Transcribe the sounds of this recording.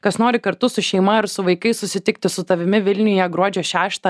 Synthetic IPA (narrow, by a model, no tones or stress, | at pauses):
kɐsnoːɾʲɪkɐɾt̪ʊsʊʃʲɛɪmɐɪɾsʊʋɐɪkɐɪsʊsʲɪt̪ʲɪk̚t̪ʲɪsʊt̪ɐʋʲɪmʲɪʋʲɪlʲnʲʊjɛɡɾuɔd͡ʒʲoːʃʲæːʃt̪ɐ